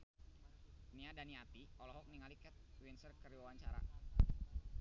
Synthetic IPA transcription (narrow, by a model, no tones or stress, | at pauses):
niadaniat̪iɔlɔɦɔk̚niŋalikɛt̪̚winsərkəɾiwawaɲt͡ʃaɾa̰